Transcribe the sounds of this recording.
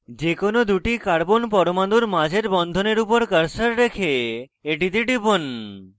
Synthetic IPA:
d͡ʒekonod̪uʈikaɽbonpɔɾomand̪uɾmad͡ʒʱeɾbɔnd̪ʱoneɾupɔɾkəɾsəɾːekʰeːʈid̪iɖibon

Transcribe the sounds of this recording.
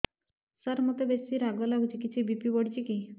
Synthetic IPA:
sɔɾmot̪ebesiɾaɡɔlaɡut͡ʃikit͡ʃʰibipibɔɽit͡ʃʰiki

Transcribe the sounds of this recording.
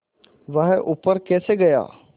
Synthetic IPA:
ʋəɦʔʊpːəɾkɛːseɡəja̰ː

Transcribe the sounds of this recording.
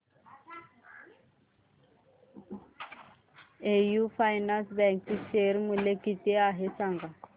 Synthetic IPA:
ejufajnansbɛŋksiʃeɾimulekitiaɦesaŋɡa

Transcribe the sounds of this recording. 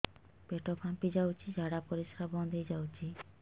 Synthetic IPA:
peʈɔpʰãmpid͡ʒawt͡ʃʰid͡ʒaɽapɔɾiʃkʰaɾbɔnd̪ʱejd͡ʒawt͡ʃʰi

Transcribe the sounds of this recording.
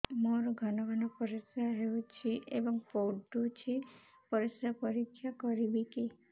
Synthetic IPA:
moɾɔɡʱɔnɔɡanɔpɔɾisaɦeut͡ʃʰiebɔŋpoɖut͡ʃʰi | pɔɾisapɔɾikʰːjakɔɾibiki

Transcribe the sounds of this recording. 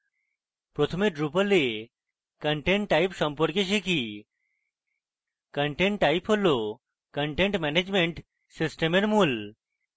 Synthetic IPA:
pɾot̪ʰəmeɖɾupəle | kəɳʈeɳʈːaipsə̃mpəɾkeʃ̬eki | kəɳʈeɳʈːaipɦolo | kəɳʈẽɳʈmɛned͡ʒmeɳʈ | sɪsʈemenmul

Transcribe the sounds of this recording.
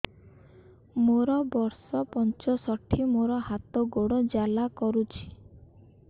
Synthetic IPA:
moɾɔbɔɾsɔpɔnt͡ʃɔsɔʈʰimoɾɔhat̪ɔɡoɽɔd͡ʒalakɔɾut͡ʃʰi̥

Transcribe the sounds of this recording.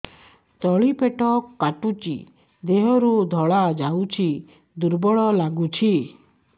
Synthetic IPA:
t̪ɔɭipʰeʈɔkaʈut͡ʃḭ | d̪eɦɔɾud̪ʱɔɭad͡ʒawt͡ʃʰi | d̪uɾbɔɭɔlaɡut͡ʃʰi

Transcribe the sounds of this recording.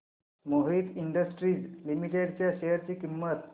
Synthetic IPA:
moɦiːt̪iɳɖəsʈɾiːd͡zlimiʈeɽt͡ɕjaɕejəɾt͡ɕiːkimːət̪

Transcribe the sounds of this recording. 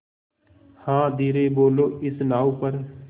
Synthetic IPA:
hãːd̪iːɾeːboːloːʔɪsnaːuːpəɾ

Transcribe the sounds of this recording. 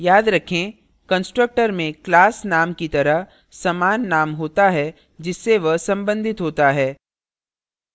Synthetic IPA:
jaːd̪ɾɐkʰẽ | kɐ̃nsʈɾək̚ʈəɾmẽklaːsnaːmkit̪ɐɾəɦ | sɐmaːnːaːmɦoːt̪aɦɛ | d͡ʒɪsːeʋɐsɐ̃mbə̃nd̪ʱɪt̪ɦoːt̪aɦɛː

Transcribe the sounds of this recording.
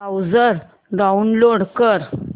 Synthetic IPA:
awd͡zəɾ | ɖaunloɽkəɾ

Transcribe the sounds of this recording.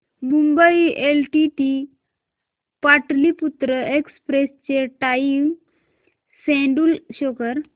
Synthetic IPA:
mumbəielʈiʈi | paʈliput̪ɾəekspɾest͡ɕeʈaiw | sɛ̃ɳɖulɕɔkəɾ

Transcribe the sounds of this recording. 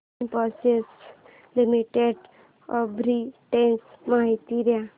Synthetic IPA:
npɔses | limiʈeɖ | ɔbɾiʈẽnsmaɦit̪iɾja

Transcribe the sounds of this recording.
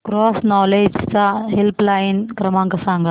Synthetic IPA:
ɡ̥ɾoːsnaːled͡ʒsaɦelplɐjnkɾɐmaːŋkɐsaːŋɡɐ

